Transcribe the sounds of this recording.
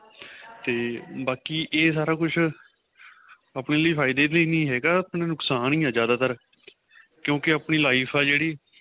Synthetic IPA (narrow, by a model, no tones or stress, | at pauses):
t̪eːbaːkiːʔeːsaːɾaːkʊt͡ʃʰ | aːpneːləiːpʰaːɪd̪eːləiːnĩːɦɛːɡaːapnẽːnʊksaːnĩːãːzjaːd̪aːt̪əɾ | kjõːkɪaːpniːlaːiːpʰaːd͡ʒeːɽiː